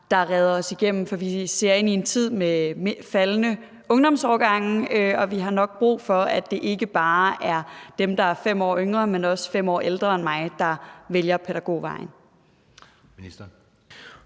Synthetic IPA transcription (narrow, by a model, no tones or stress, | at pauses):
d̥ɑ̈ʁɛð̞ˠɐɒ̽siɡ̥em̰m̩fɒ̽ʋise̝ɐ̰e̝nie̝nt͡sʰið̞̰ˠmemefælnə | ɔ̽ŋd̥ɒ̽msɒːɡ̥ɑ̈ŋ̰̩øɒ̽ʋiɦɑ̈nɒ̽ɡ̥̚b̥ʁṵːfɒ̽æd̥e̝ʔe̝ɡ̥əb̥ɑ̈ːʔæɐd̥emd̥ɑ̈æɐfem̰ɒ̰ːøŋʁɐmenɒ̽sfem̰ɒ̰ːʔeld̥ʁɐenmɑ̈ɪd̥ɑ̈ʋeljɐpʰeɾæɡ̥o̝̰ːʋɑ̈ɪn | i̥